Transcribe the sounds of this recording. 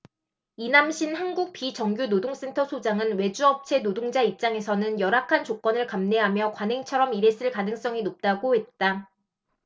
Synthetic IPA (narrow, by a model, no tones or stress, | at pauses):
inamɕʰinhanɡuk̚pit͡ɕʌŋɡjunodoŋs͈e̞ntʰʌsʰod͡ʑaŋɯnwe̞d͡ʑuʌp̚t͡ɕʰe̞nodoŋd͡ʑaip̚t͡ɕ͈aŋe̞sʰʌnɯnjʌɾakʰant͡ɕok͈ʌnɯɭkamne̞ɦamjʌkwanɦe̞ŋt͡ɕʰʌɾʌmiɾe̞s͈ɯɭkanɯŋs͈ʌŋinop̚t͈aɡohe̞t̚t͈a